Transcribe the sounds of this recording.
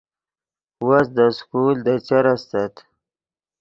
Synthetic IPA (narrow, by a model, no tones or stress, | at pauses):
wasd̪əskuld̪ət͡ʃaɾast̪at̪